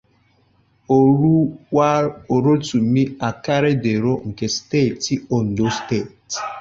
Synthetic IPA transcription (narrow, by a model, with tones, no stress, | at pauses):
o˨u˦wa˦o˨ɾo˦tu˨mi˦a˨ka˦ɾe˦de˨ɾo˦ŋ̩˨ke˨ste˦˨ti˦ɔ˨n̩˨do˦ste˦˨t